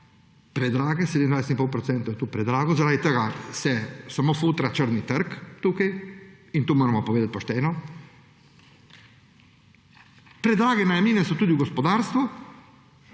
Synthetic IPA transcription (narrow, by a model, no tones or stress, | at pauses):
pɾɛd̪ɾaːɡɛsed̪mind̪vajset̪inpolpɾɔt̪sɛnt̪ojɛt̪upɾɛd̪ɾaːɡɔzaɾaːd̪it̪əɡasɛsamoːfuːt̪ɾat͡ʃəɾnit̪əɾkt̪uːkajint̪uːmoːɾamɔpoʋeːd̪at̪̚ʲpoʃt̪ɛːnɔ | pɾɛd̪ɾaːɡɛnajamliːnɛsɔt̪uːd̪iuɡɔspɔd̪aːɾst̪ʋu